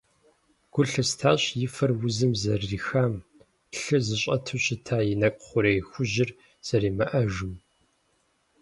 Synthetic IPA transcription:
ɡ̥ʷʊɬɨstʰaːɕjɪfɐrwʊzɨmzɐrːiːxaːm | ɬɨzɨɕʼɐtʰɨɕɪtʰaːjɪnɐkʷʼχʷʊɾeːjxʷʊʑɪr | z̥ɐriːmɐʔɐʒʊm

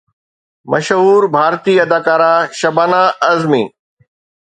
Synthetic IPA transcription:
mɐ̰ʃɦuːɾbʱaːɾt̪iːɐd̪ʱaːkaːɾaʃɐbaːnaɐzmiː

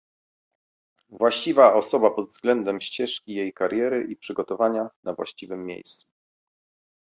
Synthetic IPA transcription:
vwaɕt͡ɕivaɔsɔbapɔd̪vzɡlɛnd̪ɛmɕt͡ɕɛʂkʲijejkaɾjɛɾɘʔipʂɘɡɔt̪ɔvaɲanavwa̰ɕt͡ɕivɘmːʲjḛjst̪su̥

